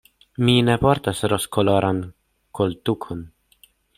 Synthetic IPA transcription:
minepoɾt̪asɾoskoloɾʔan | kolt̪ukʰon

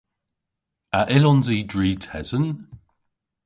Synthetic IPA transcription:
aʔɪlɔnziːdɹiːtʰɛzən

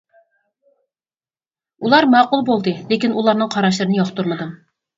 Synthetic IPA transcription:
ulˠɑɾmɑːqulˠbolˠd̪ɨlekʲinʔulˠɑɾnɨŋqʰɑɾɑʃ̬lˠɨɾɨnɨjɑχt̪uɾməd̪ɨm

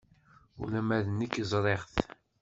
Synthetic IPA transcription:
ṵlæmæðnəkːzˤɾˤeʁθ

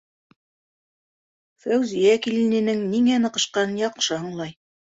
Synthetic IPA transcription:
fæwzijækilɘ̆nɘ̆nɘŋniŋænɤ̆qɤ̆ʃqɑnjɑqʃɤhɤ̆ɴlˠɑj

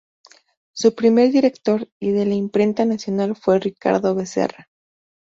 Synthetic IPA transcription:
supɾime̞ɾðiɾe̞kt̪o̞ɾiðe̞laimpɾe̞nt̪anasjo̞nalfwe̞rika̰ɾðo̞βe̞sḛra

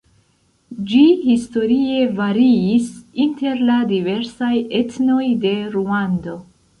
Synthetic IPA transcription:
d͡ʒihisto̞ɾie̞vaɾiːsinte̞ɾladive̞ɾsaje̞tno̞jde̞ɾuando̞

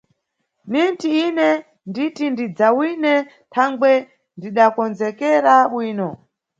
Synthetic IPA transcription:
nintiinɛ | nditindid͡zawinɛ | tʰaŋɡwɛ | ndiɗakɔnzɛkɛɾaɓwiːnɔ

